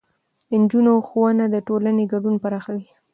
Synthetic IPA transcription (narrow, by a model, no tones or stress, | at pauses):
ənd͡ʒunoxowanad̪əʈolaneɡaɖunpaɾaxawi